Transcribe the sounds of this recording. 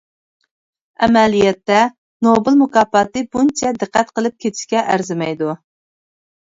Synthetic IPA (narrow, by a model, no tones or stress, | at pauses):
ɛmɛlijɛt̪ːɛ | nobɨlˠmukɑːpɑt̪ɨbunt͡ʃʰɛd̪ɨqːæt̪qəlˠɨp̚kʲʰet̪ʰɪ̥ʃkʲɛʔæɾzɪmɛjd̪u